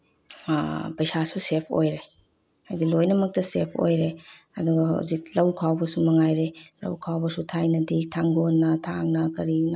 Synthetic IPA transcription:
pɐjsasusepʰo̰jɾe | ajdilojnɐmɐk̚tɐsepʰo̰jɾe | ɐduɡɐha̰wzik̚lɐwkʰawbɐsumɐŋajɾelɐ̰wkʰawbɐsutʰajnɐditʰaŋɡonːɐtʰaŋnɐkɐɾinɐ

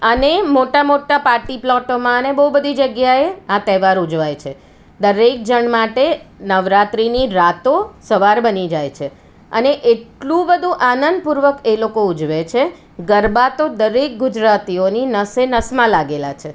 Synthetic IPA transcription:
ənemoʈamoʈapaɾʈiplɔʈomãənebəɦubəd̪ʱid͡ʒəɡjaeat̪ɛʋaɾud͡ʒʋajt͡ʃʰe | d̪əɾek̚d͡ʒəɳmaʈenəʋɾat̪ɾiniɾat̪osəʋaɾbənid͡ʒajt͡ʃʰe | ə̰neʔeʈlũbəd̪ʱũʔanənd̪̚puɾʋəkelokoud͡ʒʋet͡ʃʰe | ɡəɾbat̪od̪əɾek̚ɡud͡ʒɾat̪ioninəsenəsmãlaɡela̰t͡ʃʰe

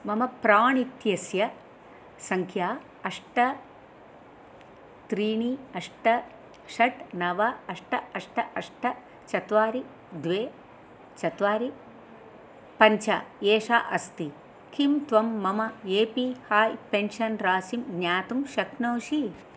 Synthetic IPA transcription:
mɐmɐpɾaːɳit̪jɐsjɐ | sɐŋkʰjaː | ɐʂʈɐ | t̪ɾiːɳiɐʂʈɐ | ʃɐʈnɐʋɐɐʂʈɐɐʂʈɐʔɐʂʈɐ | t͡ʃɐt̪ʋaːɾi | d̪ʋeː | t͡ʃɐt̪ʋaːɾi | pɐɲt͡ʃʰa̰eːʂa̰ːʔɐst̪i | kʰimt̪ʋɐmːɐmɐeːpihaːjpenʃɐnɾaːsimɡɲaːt̪umʃɐkʰnoːʃi

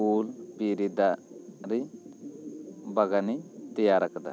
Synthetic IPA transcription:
ulpiɾid̪aɾi | baɡanit̪ijaɾakd̪a̰

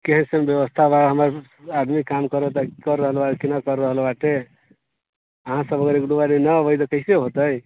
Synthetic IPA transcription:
keɦənsənbjeʋəst̪ʰabaɦəməɾ | ad̪mikːamkəɾet̪əkəɾːəɦəlbaekinakəɾːəɦəlbaʈe | əɦãsəbəɡəɾekɖubaninəbəjt̪əkəɪseɦot̪əj

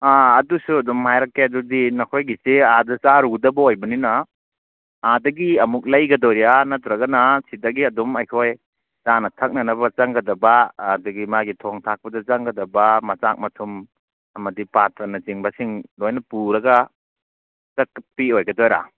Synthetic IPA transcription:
aːdusuɐdɔmhajɾɐkːeɐdudinɐkʰojɡiseadɐt͡ʃaɾudɐbɐojbɐninɐ | adɐɡiɐmuk̚lɐjɡɐdɔɾijanatɾɐɡɐnɐsidɐɡiɐdumajkʰoj | zanɐtʰɐk̚nɐnɐbɐt͡ʃɐŋɡɐdɐbɐːdɐɡimaɡitʰɔŋtʰak̚pɐdɐt͡ʃaŋɡɐdɐbɐmɐt͡ʃak̚mɐtʰum | ɐmɐdipatʰɐnɐt͡ʃiŋbɐsiŋlojnɐpuɾɐɡɐ | t͡ʃɐkpiojɡɐdɔjɾa̰

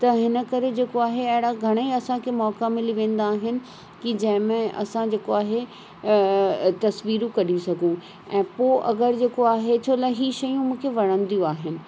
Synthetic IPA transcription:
t̪ɐɦɪnə̆kɐɾed͡ʑeːkoaːɦeɐɦɪɽaɡʱɐɽ̃əiɐsãkʰemɔːkamɪliʋẽːn̆d̪aːɦɪnɪ̆ | kid͡ʑɐ̃ɦɪ̃mẽʔɐ̰sãd͡ʑeːkoaːɦe | t̪ɐsʋiːɾũkɐɗisɐɡʱũ | ɛ̃ːpoːʔɐɡəɾd͡ʑeːkoaːɦet͡ɕʰoːlaɦiːʃɐjũmũːkʰeʋɐɽ̃ə̃nd̪ijũaːɦɪnɪ̆

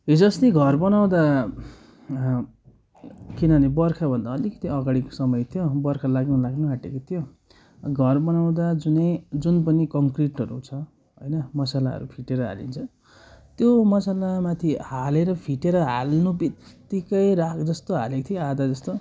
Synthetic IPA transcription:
ɦid͡zʌst̪iɡʱʌrbʌnaw̃d̪a | kinʌnibʌrkʰabʱʌnd̪aʌlikʌt̪iʌɡaɽiko̥sʌmʌjt̪ʰijobʌrkʰalaɡnulaɡnuɦaʈekot̪ʰijo | ɡʱʌrbʌnaw̃d̪ad͡zunʌjd͡zunpʌnikʌŋkriʈʌɾṵt͡sʰʌ | ɦojnʌmʌsalaʌ̰ɾupʰiʈeɾʌɦa̰lḭnt͡sʰʌ | t̪jomʌsalamat̪ʰihaleɾʌpʰiʈeɾʌɦa̰lnubikt̪ikʌjɾakʰd͡zʌst̪oɦa̰lekt̪ʰijoad̪ad͡zʌst̪o

